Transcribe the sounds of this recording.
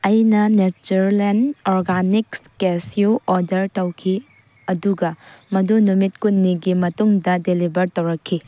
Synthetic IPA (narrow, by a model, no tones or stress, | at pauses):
ɐjnɐnet͡ʃuɾlenoɾɡanikskesiuʔɔdɐɾtɐwkʰi | ɐduɡɐmɐdunumit̚kunːiɡimɐtuŋdɐdelibɐɾtɐwɾɐkʰːi